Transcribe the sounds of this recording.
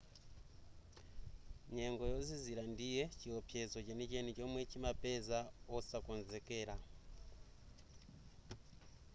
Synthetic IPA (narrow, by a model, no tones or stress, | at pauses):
ɲɛŋɡɔjɔziziɾandijɛt͡ʃiɔpʰjɛzɔt͡ʃɛnit͡ʃɛnit͡ʃɔmwɛt͡ʃimapɛzaɔsakɔnzɛkɛːɾa